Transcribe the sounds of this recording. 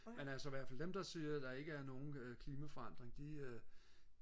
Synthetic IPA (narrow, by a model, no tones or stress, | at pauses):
menælsɒʋæɐ̰fæld̥emd̥ɑ̈siɐd̥ɑ̈e̝ɡ̥əæɐno̝ːn̩kʰliːmæfɒɑ̈n̰d̥ʁeŋd̥iø